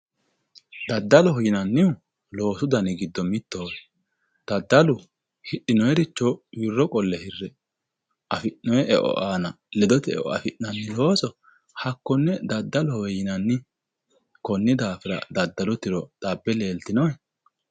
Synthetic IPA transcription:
d̪ɐd̪ːɐlɔɦɔjɪnɐnːɪʊ | lo̞ːsʊd̪ɐnɪɡɪd̪ːɔmɪt̪ːoː | d̪̥ɐd̪ːɐlʊ | hɪɗɪnɔjɛɾɪt͡ʃːɔjɪrːɔkʼɔlːɛhɪrːɛ | ʔɐfɪʔnɔɛʔɛ̰ʔɔ̰ʔaːnɐ | lɛd̪ɔt̪ɛɛ̰ʔɔ̰ɐ̰fɪʔnːɐnːɪlo̞ːsɔ | hɐkːɔnːɛd̪ɐd̪ːɐlɔhɔjɪnɐnːɪ | kɔnːɪd̪aːfɪɾɐ̰d̪ɐd̪ːɐlɔt̪ɪɾɔt̪ɐbːɛle̞ːlt̪ɪnɔjɛ

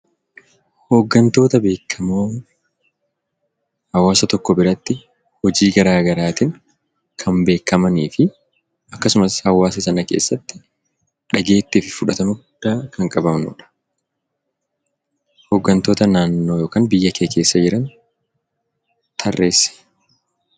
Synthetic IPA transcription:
hoːɡːɐnt̪o̞ːt̪ɐbe̞ːkʰːɐmoː | hɐwːaːsɐt̪ɔkːɔbɪɾɐt̪ːɪ | hɔd͡ʒiːɡɐɾaːɡɐɾaːt̪ɪŋ | kʰɐmbe̞ːkːɐmɐniːfɪ | ɐkːɐsʊmɐshɐwːaːs̬ɐsɐnɐke̞̰ːsːɐt̪ːɪ | ᶑɐɡe̞ːt̪ːiːfɪfʊᶑɐt̪ɐmɐɡʊd̪̥ːaːkɐŋkʼɐbɐmnṵːᶑɐ̥ | hoːɡːɐnt̪o̞ːt̪ɐnaːnːo̞ːjoːkaːnbɪjːɐkʰeːkʰe̞ːsːɐd͡ʒɪɾɐn | t̪ʰɐrːe̞ːsːɛ̥

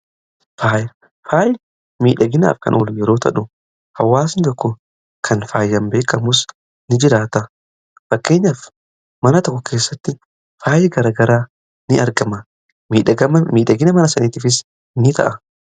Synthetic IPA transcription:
faːj | faːj | miːᶑɐɡɪna̰ːfkɐ̰nʔɔlʊjɛɾo̞ːt̪ɐᶑʊ | hɐwːaːsɪnt̪ɔkːɔ | kʰɐnfaːjːɐmbe̞ːkːɐmʊs | nɪd͡ʒɪɾaːt̪ɐ | fɐkːe̞ːɲːɐf | mɐnɐt̪ɔkːɔkʰe̞ːsːɐt̪ːɪ | faːjɛɡɐɾaːɡɐɾaː | nɪɐɾɡɐmɐ | miːᶑɐɐmmiːᶑɐɡɪnɐmɐnɐsɐniːt̪ɪfɪs | nɪt̪ʰɐ̰ʔɐ

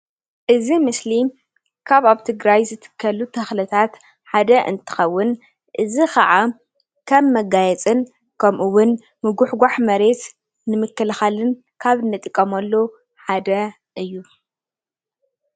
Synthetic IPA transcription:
ʔɨzimɨsli | kʰaβaβt̪ʰɨɡɾajzɨt̪ʰɨ̥kʰːɐlut̪ʰɐxlɨt̪ʰat̪ | ħad̪ɐʔɨ̰nt̪ʰɨ̥xɐwːʊn | ʔɨzikʰɐʕa | kʰɐmːɐɡajɛt͡sʼɨn | kʰɐmʔuwʊn | mɨɡʊħɡʷaħmɐɾe̞t̪ | nɨmɨkːɨlxalɨn | kʰaβɨnːɨt̪ʼɨkʼːɐmɐlːo | ħad̪ɐ | ʔɨjːu

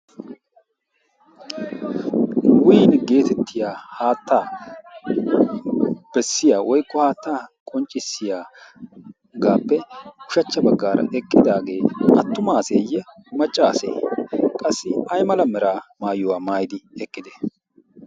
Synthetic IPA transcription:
wʊjnɡe̞ːt̪ɛt̪ʰːɪjaːhaːt̪ʰːaː | b̥ɛsːɪjaːwɔjkːɔhaːt̪ːaːkʼɔnt͡ʃʼːɪsːɪjaː | ɡaːpːɛʊʃɐt͡ʃːɐbɐɡːaːɾɐ̰ʔɛkʼːɪd̪aːɡe̞ːʔɐt̪ːʊmaːseːjːɛmɐt͡ʃʼːaːsḛːkʼɐsːɪɐjmɐlɐmɛɾaːmaːjʊwaːmaːjɪd̪ɪɛkʼːɪd̪ɛ̥

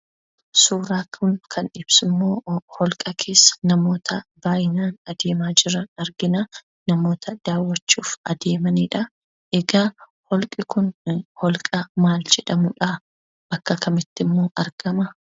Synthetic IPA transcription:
suːɾaːkʰʊnkʰɐnɪb̥sɪmːo̞ːhɔlkʼɐkʰe̞ːsːɐ̥nɐmo̞ːt̪ʰɐbaːjɪnaːnɐd̪e̞ːmaːd͡ʒɪɾɐnɐɾɡɪnɐ | nɐmo̞ːt̪ʰɐd̪̥aːwːɐt͡ʃːuːfɐd̪e̞ːmɐniːᶑɐ | ʔɛɡaː | hɔlkʼɪkʊnhɔlkʼɐmaːld͡ʒɛᶑɐmʊᶑɐ | bɐkːɐkɐmɪt̪ːɪmːoːʔɐɾɡ̥ɐmɐ

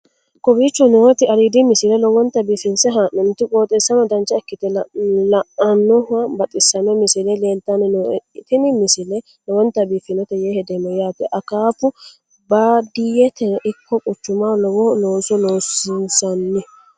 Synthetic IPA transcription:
kʼɔbit͡ʃːɔnɔwɔt̪ɪɐɾiːd̪ɪmɪsɪlɛlɔwɔnt̪ɐbiːfɪnsɛɦaːnːɛnʊt̪ːɪkʼoːt̪ʼɛsːɐnɐd̪ɐnt͡ʃːɐɛkːɪt̪ɛlɐʔɐnːɔhɐbɐt̪ʼɪsɐnːɔmɪsɪlɛle̞ːlt̪ɐnɛnt̪ɪnɪmɪsɪlɛ | lɔwɔnt̪ːɐbiːfɪnɔt̪ɛjeːhɛd̪ɛmɔjaːt̪ɛʔɐkaːpːʊ | bad̪ijɛt̪ɛʔɪkʰːɔkʼʊt͡ʃːʊmalɔwɔnoːsɔloːsɪnsɐnːɪ

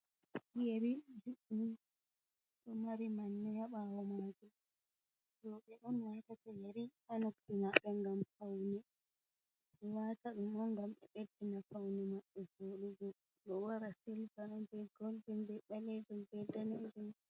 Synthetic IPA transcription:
jeɾid͡ʒuɗu | ɗɔmaɾimanːɛjaɓawɔmaɡɛ | lɔɓɛɗɔnwatatɛjeɾihanokːinaɓɛŋɡamfawnɛ | wataɗumɔŋɡamɓɛ̰ɓedːinafawnɛmaɓːɛɡoːɗuɡɔ | ɗɔwaɾasilvaɗɔmbɛɡolbimbɛɓalɛd͡ʒɔmbɛdanɛd͡ʒum

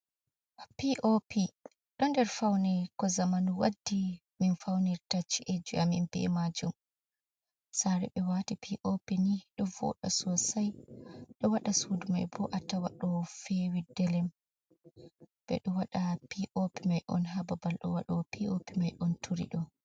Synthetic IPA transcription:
piʔopi | ɗɔndɛɾfawnɛkɔzamanuwadːi | minfawniɾtat͡ʃːiʔed͡ʒuʔaminbɛ̰mad͡ʒum | saɾɛ̰ɓɛwatipʰiʔopiniɗɔvɔ̰ɗɔsɔsajɗɔwaɗasuduma̰jbɔʔatawa̰ɗɔfɛwidːɛlɛm | b̥ɛ̰ɗɔwaɗapiʔopimajʔɔ̰nɦababalɗɔ̰wa̰ɗɔpʰiopimajʔɔntʰuɾḭɗɔ

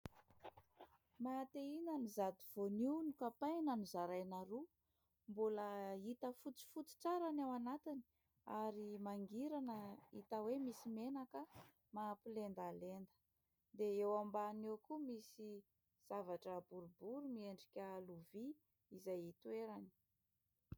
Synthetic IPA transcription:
mat̪einanizad̪iv̥oninukapajnanuzaɾajnaɾu | mbuləit̪əfut͡si̥fut͡si̥ʈ͡ʂaɾanawanat̪ini̥ | aɾimaŋɡiɾanəit̪əwemisimenakə | mapilend̪alend̪ə̥ | d̪eewambanewkumisi | z̥avaʈ͡ʂəbuɾubuɾumieɳɖ͡ʐikʲəluviː | zajit̪weɾani̥

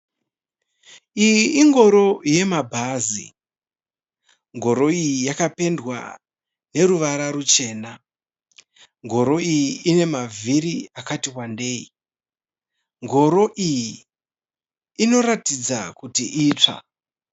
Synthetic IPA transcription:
ijiiŋɡo̞ɾo̞je̞mabʱazḭ | ŋɡo̞ɾo̞ijijakape̞ndwa̰ | ne̞ɾuʋaɾaɾut͡ʃe̞ːna | ŋɡo̞ɾo̞ijiine̞mavʱiɾiakatiwandeːi | ŋɡo̞ɾo̞ʔiji | no̞ɾatid͡zakutiʔiːt͡ʂa̰

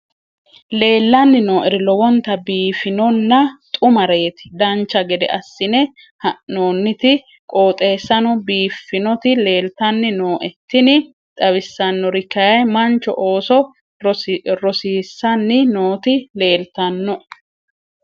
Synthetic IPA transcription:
le̞ːlːɐnːɪno̞ːʔɛɾɪlɔwɔnt̪ːɐbiːfɪnɔnːɐt̪ʼʊmɐɾeːt̪ɪ̥d̪ɐnt͡ʃːɐɡɛd̪ɛ̰ʔɐsːɪnɛ | hɐʔnoːnːɪt̪ɪ | kʼo̞ːt̪ʼe̞ːsːɐnɔbiːfːɪnɔt̪ɪle̞ːlt̪ɐnːɪnoːʔɛt̪ːɪnɪ | t̪ʼɐβɪsːɐnːɔɾɪkːɐjɐjmɐnt͡ʃːɔ̰ʔo̞ːsɔ | ɾɔsiːsːɐnːɪno̞ːt̪ɪle̞ːlt̪ɐnːɔ

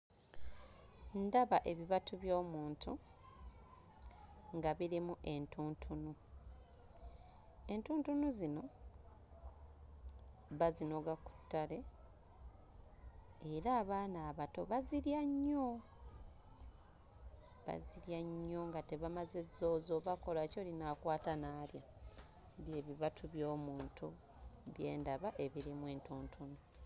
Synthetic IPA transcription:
ndaβaʔe̞βiβatʰuβjo̞ːmuːntu | ŋɡaβiɾimuʔe̞ntuːntʰunu | e̞ntuːntunuzino̞ | βazino̞ɡaku̥tːale̞ | eɾaːβaːnaːβato̞βaziɾjaɲːo̞ | βa̰ziɾjaɲːo̞ŋɡate̞βamaze̞zo̞ːzo̞βako̞laco̞ːlinakwaːtanaːlja | βje̞ːβiβatʰuβjo̞ːmuːntʰu | βje̞̰ːndaβaʔe̞βiɾimwe̞ːntuːntʰunu

